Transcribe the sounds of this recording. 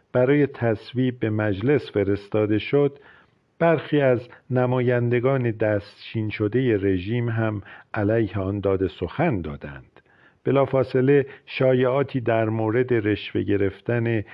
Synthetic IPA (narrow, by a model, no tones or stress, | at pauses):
b̥æɾɒːje̞t̪ʰæsviːbbe̞mæd͡ʒle̞sfe̞ɾe̞st̪ɒːd̪e̞ʃod̪ | b̥æɾxiːæznæmɒːjænd̪e̞ɡɒːne̞d̪æst̪t͡ʃʰiːnʃo̞d̪e̞je̞re̞ʒiːmɦæmʔælæjheɒːnd̪ɒːd̪e̞soxænd̪ɒ̰ːd̪æ̰nd̪̥ | b̥e̞lɒːfɒːse̞le̞ʃɒːjeɒːt̪ʰiːd̪æɾmoːɾe̞d̪e̞ɾe̞ʃve̞̰ɟe̞ɾe̞ft̪æne̞